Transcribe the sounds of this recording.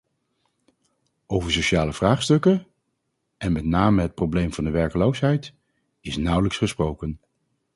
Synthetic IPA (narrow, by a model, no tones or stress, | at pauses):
ʔowvəɹsoʃaːləv̥raːχstɵkə | ɛnmɛtnaːməɦət̚prowblejmvɑndəʋɛɹkəlowsɦɛjt | ɪsnʌwləksχəsprowkən